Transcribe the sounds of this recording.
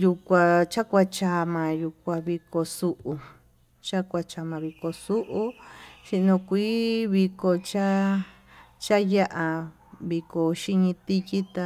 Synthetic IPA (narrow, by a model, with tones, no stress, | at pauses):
ju˧kʷa˧t͡ʃa˦kʷa˧t͡ʃa˧mã˨ju˧kʷã˧βi˧ko˧su˧ʔu˧ | t͡ʃa˦kʷa˧t͡ʃa˧mã˨˧βi˧ko˨su˦ʔu˦ʃi˧ʔnõ˧kʷiː˦βi˧ko˧t͡ʃa˦ | t͡ʃa˦ja˦ʔa˧ | βi˧ko˨ʃi˧ɲĩ˧t̪i˧ki˦t̪a˧